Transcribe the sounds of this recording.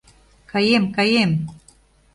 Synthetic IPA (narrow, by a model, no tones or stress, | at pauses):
kajemkajem